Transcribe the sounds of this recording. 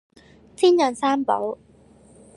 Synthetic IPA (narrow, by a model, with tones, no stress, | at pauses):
t̪ʰi˥˩ɲa˧˩nsaː˥˩˨mba̰˨˦w